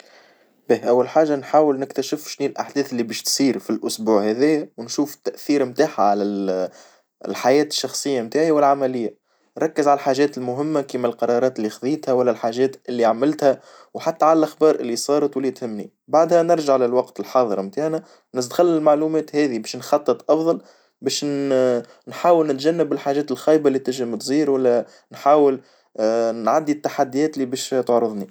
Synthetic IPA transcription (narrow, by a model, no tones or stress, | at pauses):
bɛːʔæwːælħaːʒanħaːwɪlnɪkt̪æʃɪfʃniːlʔaħd̪ɛːθɪlːibɛːʃt̪sˤiːɾfilʔʊsbuːʕhæðɪjːæwnʃuːft̪ːæʔθiːɾmt̪aːħaʕalæ | lħajɛːt̪ɪ̥ʃːɑxsˤəjːamt̪aːʕiwɪlʕamælɪjːa | nɾˤɑkːəzʕalælħaːʒɛːt̪ɪlmʊɦɪmːakiːmælqɑɾˤɑːɾˤɑːt̪ɪlːixðˤiːt̪hæwælːælħaːʒɛːt̪ʔɪlːiaʕmɪlt̪hæ | wħat̪ːæʕalælʔaxbɑːɾˤʔɪlːisˤɑːɾˤɑt̪wɪlːit̪hɪmːnḭ | baʕd̪hænɪɾˤʒaʕlɪlwɑqt̪ɪlħɑːðˤəɾmt̪aːʕnæ | nɪsd̪xalːɪlmaʕluːmɛːt̪hɛːðibɛːʃnxɑt̪ˤːɨt̪ˤʔɑfðˤɑl | bɛːʃ | nħaːwɪlnɪt̪ʒænːɪbɪlħaːʒɛːt̪ɪlxɑːjbaʔlːit̪ɪʒɪmt̪zˤiːɾwælːæ | nħaːwɪl | nʕad̪ːit̪ːaħad̪ːijɛːt̪libɛːʃt̪oʕɾɨðˤni